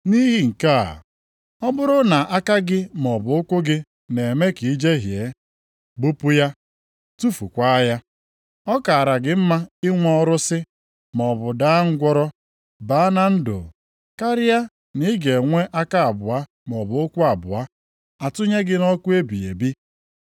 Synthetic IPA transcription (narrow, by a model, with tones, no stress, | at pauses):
ni˦ɦi˦ŋ̩˨ka˦˨ | ɔ˦bʊ˦ɾʊ˦na˨ʔa˦ka˦ɡɪ˦m˨ɔ˨bʊ˨ʊ˦kʷʊ˦ɡɪ˦ | ne˨me˦ki˨i˦d͡ʒe˦ɦje˨˦ | ɡ͡bu˦pu˦ja˦ | tu˦fu˨kʷa˦ja˦ | ɔ˦ka˨a˨ɾa˨ɡɪ˨m̩˦ma˦ɪ˦ŋʷɔ˦ɔ˦ɾʊ˦sɪ˦ | mɔ˨bʊ˨da˦ŋ̩˦ɡʷɔ˦ɾɔ˦ | ba˦na˦n̩˦dʊ̰˨ | ka˦ɾɪ˦a˦ | ni˦ɡe˨ŋʷe˦ʔa˦ka˦a˨bʊ˨a˦ | m˨ɔ˨bʊ˨ʊ˦kʷʊ˦a˨bʊ̰˨a˦ | a˨tʊ˦ɲe˦ɡɪ˦nɔ˦kʷu˦e˦bi˨ḛ˨bi˦